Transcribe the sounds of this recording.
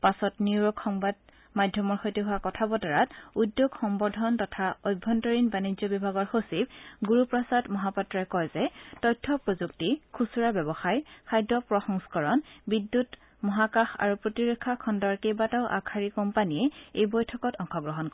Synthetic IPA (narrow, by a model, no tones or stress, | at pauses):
pasɔtniwɹɔkxɔŋbad | madʱjɔmɔɹxojtiɦʊakɔtʰabɔtaɹatudːjoɡxɔmbɔdʱɔntɔtʰaojbʱːɔntɔɹinbanizɔbibʱaɡɔɹxosib̚ɡuɹupɹɔsadmɔɦapɔtɹakɔjzɛtɔjtʰːɔpɹozuk̚tikʰusuɹabɛbɔxajkʰajdɔpɹɔxɔŋskɔɹɔnbidːut | mɔɦakaxa̰ɹupɹotiɹɔkʰːakʰɔndɔɹkejbataʊʔa̰kʰaɹikɔmpaniɛejbɔjtʰɔkɔtɔŋxɔɡɹɔɦɔnkɔ